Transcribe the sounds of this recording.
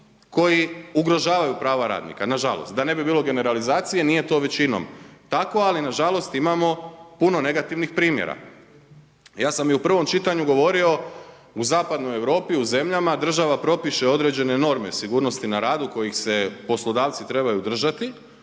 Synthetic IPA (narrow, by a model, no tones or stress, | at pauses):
ko̞jiuɡɾo̞ʒaːʋajupɾaːʋaɾa̰ːd̪nḭkanaʒalˠost̪d̪ane̞bibiːlˠo̞ɡe̞ne̞ɾalizaːt̪sije̞nije̞t̪o̞ːʋe̞t͡ɕino̰mt̪ako̞alinaʒalˠo̞st̪imamo̞puno̞ne̞ɡat̪iʋnixpɾiːmjḛɾa̰ | jaːsamjiupr̩ʋo̞mt͡ʃit̪aɲuɡo̞ʋo̞ɾio̞ | uzaːpad̪no̞je̞ʋɾo̞ːpiuze̞mʎamad̪r̩ʒaʋapɾo̞piʃe̞o̞d̪ɾe̞d͡ʑe̞ne̞no̞ɾme̞̰siɡuːɾno̞st̪inaɾaːd̪uko̞jixse̞po̞slˠo̞d̪aːʋt̪sit̪ɾe̞bajud̪r̩ʒat̪i